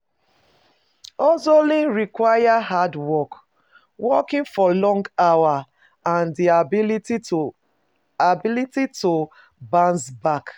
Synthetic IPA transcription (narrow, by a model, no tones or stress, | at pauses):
ɔzolĩnɹikwajaɦadwɔk | wɔkĩŋfɔlɔ̃ŋɡawa | ãndia | abilitito | bãnsbak